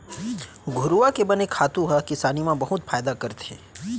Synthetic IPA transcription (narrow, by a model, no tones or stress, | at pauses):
ɡʱʊɾuakebɐnekʰaːt̪ũɦɛkɪsaːnimãbɐɦʊt̪fʰaːjd̪akɐɾt̪ẽː